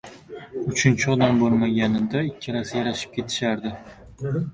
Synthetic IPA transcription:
ʊt͡ʃʰɪnt͡ʃʰɪɒd̪ambolˠmaɡʲanɪd̪aɪkʲʰːɪɾasjaɾaʃɪ̥p̚kʲʰe̞t̪ʰɪ̥ʃaɾd̪ɪ

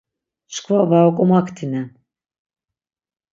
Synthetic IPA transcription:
ʃkʰvavaɔkʼumakʰt̪ʰinɛ

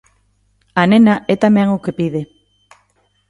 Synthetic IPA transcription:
anenaɛt̪amɛ̃ŋokepiðe

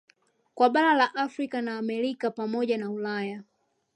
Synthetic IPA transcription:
kwaɓaɾalaʔafɾikanaːmɛɾikapamɔʄanaulaja

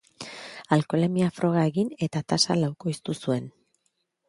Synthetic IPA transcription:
alko̞le̞miafɾʔo̞ɣ̞ae̞ɣine̞t̪at̪asa̰lawko̞ist̪usue̞n

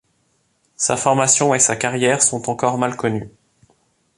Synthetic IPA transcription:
sa̰fɔʁmasjɔ̃esakaʁjɛʁsɔ̃t̪ɑ̃kɔʁmalkɔny

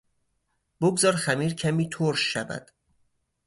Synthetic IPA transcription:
b̥oɡzɒːɾxæmiːɾcʰæmiːt̪ʰoɾʃːævæ̰d̪̥

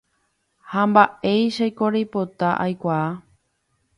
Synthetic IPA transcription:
hambae̞jʃajkoɾejpot̪aʔa̰jkʷaː

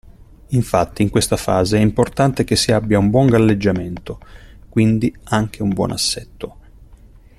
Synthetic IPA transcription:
iɱfat̪ːiːŋkwest̪afaːzeɛimport̪ant̪ek̟esːiabːjaumbwɔŋɡalːed͡ʒːament̪okwind̪iaŋk̟eumbwɔ̰ːna̰sːɛt̪ːo

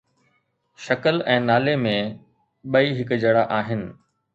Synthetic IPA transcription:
ʃɐkəlɛ̃ːnaːlemẽ | ɓɐiɦɪkʊd͡ʑɐɽaʔaːɦɪnɪ̆

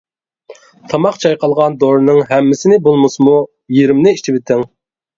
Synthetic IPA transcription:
t̪ʰɑmɑqt͡ʃʰɑjqʰɑlˠʁɑnd̪oɾnɨŋɦɛmːɪsɪnɪbolˠmʊsɨmu | jiɾɪmnɪiʃt͡ʃʰɪbɪt̪ʰɪŋ

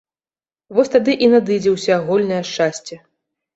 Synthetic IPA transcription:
vɔsʲt̪ad̪ɨʔinad̪ɨd͡zʲɛwsʲɐːɣɔlʲnɐjɐʂt͡ʂasʲt͡sʲɛ

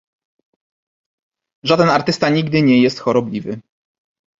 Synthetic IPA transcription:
ʐad̪ɛnaɾt̪ɘst̪aɲiɡd̪ɘɲɛjɛst̪xɔɾɔblʲivɘ

